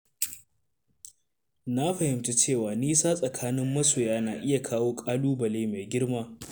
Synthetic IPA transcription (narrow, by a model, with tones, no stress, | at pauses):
na˦ɸɐ˨hɪ˨mt͡ʃe˦t͡ʃeː˦˨waː˨niː˦saː˦sʼɐ˨kʰaː˦nɪ˦mːɐ˦soː˨jaː˦naː˨ʔɪ˦ja˨kʰaː˦woː˦kʼaː˦luː˦bɐ˨leː˦meː˨ɡʲɪ˦ɽmaː˦